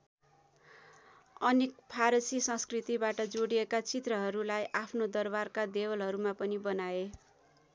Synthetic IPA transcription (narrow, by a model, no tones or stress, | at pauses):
ʌnekpʰaɾʌsisʌ̃skrit̪ibaʈʌd͡zoɽiekat͡sit̪rʌɦʌɾulajʔapʰnod̪ʌrbarkad̪ewʌlɦʌɾumapʌnibʌnae